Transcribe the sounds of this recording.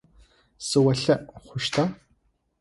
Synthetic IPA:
sɨwɐɬɐʔχʷʊʃtʰa

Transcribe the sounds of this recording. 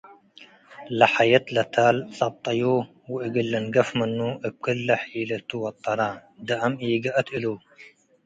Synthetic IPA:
laħajat̪lat̪ʰaːlsˤɑb̚t̪ˤːɑju | wʔɪɡɪlːanɡafmənːuʔəb̚kɪlːaħiːlat̪uwɑt̪ˤːɑɾˤɑd̪aʔamʔiːɡaʔat̪ʔɪlu

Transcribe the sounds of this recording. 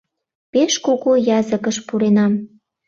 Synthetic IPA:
peʃkoɣojɑzəkəʃpuɾenɑm

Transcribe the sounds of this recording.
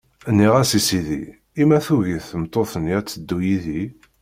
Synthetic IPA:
ənːiʁæsisiðḭ | imæθuʝiθəmt̪ˤːoθənjæt͡sːəd̪ːujiði

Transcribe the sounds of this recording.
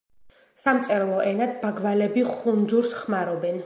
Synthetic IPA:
samt̪sʼɛɾlˠɔʔɛnad̪baɡvalɛbiχund̪zuɾsχmaɾɔbɛn

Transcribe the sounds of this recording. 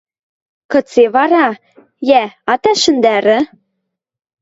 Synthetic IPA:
kɤ̆t͡seβɑɾɑ | jæɑt̪æʃɘ̆nd̪æɾɘ̆

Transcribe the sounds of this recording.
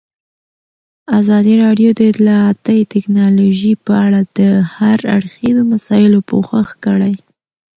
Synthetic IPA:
azɑd̪iɾɑɖjod̪əɪt̪lɑat̪əjt̪ɪknɑloʒipəaɽad̪̥əhaɾa̰ɽxizomasɑjɪlopoxaxkəɽaj

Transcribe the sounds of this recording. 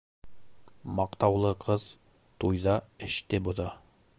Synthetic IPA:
mɑqt̪ɑwlˠɤqʰɤð | t̪ujðɑɘ̆ʃt̪ɘbŏðɑ

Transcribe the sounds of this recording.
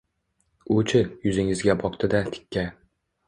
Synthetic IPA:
ʊt͡ʃʰɪjʊzɪŋɪzɡʲabɒqt̪ʰɪd̪at̪ʰɪ̥kʲːa

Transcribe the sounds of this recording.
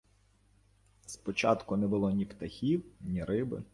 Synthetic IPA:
spɔt͡ʃɑ̰t̪kʊnɛbʊlˠɔnʲipt̪ɐxʲiwnʲiɾɪbɪ̰

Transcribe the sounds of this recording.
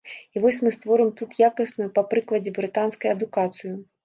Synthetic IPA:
ivɔsʲmɨst̪vɔɾɨmt̪ut̪jakɐsnujupɐpɾɨklˠɐd͡zʲɛbɾɨt̪anskɐjɐd̪ukat̪sɨju

